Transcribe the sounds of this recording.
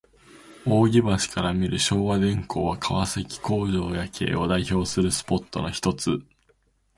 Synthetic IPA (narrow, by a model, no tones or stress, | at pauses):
o̞ːɡʲibaɕi̥kaɾamʲiɾɯ̟ɕo̞ːβad̪ẽ̞ŋkʰo̞ːβakʰaβasekʲi̥ko̞ːʑo̞ːjakʰe̞̰ːo̞d̪aiço̞ːsɨɾɯ̟sɨ̥po̞t̪ːo̞̰noçʲi̥t̪o̞t͡sɨ